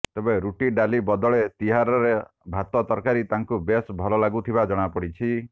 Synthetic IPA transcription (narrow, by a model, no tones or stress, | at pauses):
t̪ebeɾuʈiɖalibɔd̪ɔɭet̪iɦaɾɔɾebʱat̪ɔt̪ɔɾkaɾit̪aŋkubesbʱɔlɔlaɡut̪ʰibad͡ʒɔɽ̃apɔɽit͡ʃʰi